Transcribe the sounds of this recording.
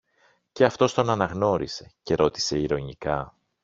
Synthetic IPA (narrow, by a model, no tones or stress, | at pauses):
ce̞ɐft̪o̞st̪o̞nɐnɐɣno̞ɾise̞ce̞ɾo̞t̪i̥se̞iɾo̞ɲikɐ